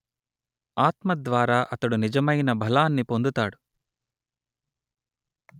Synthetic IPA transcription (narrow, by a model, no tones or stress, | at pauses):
aːt̪mɐd̪ʋaːɾaːʔɐt̪ɐɽunid͡ʒɐmɐjnɐbʱɐlaːnːipo̞nd̪ut̪aːɽu